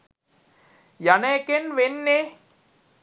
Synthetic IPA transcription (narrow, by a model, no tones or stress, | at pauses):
janeekenʋenːe